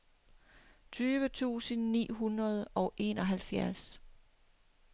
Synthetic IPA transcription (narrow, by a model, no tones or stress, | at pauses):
t͡sʰyːʋət͡sʰṵːsənːḭːɦunʁɐð̞ˠɒ̽ʊʔe̝̰ːnɒ̽ɦælfjæɐs